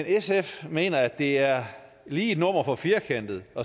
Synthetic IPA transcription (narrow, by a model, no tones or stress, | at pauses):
enesefme̝̰ːnɐæd̥e̝æɐ | liːed̥nɔ̰ːm̰ɐfɒ̽fiɐkʰæn̰d̥ð̞̩ˠɒ̽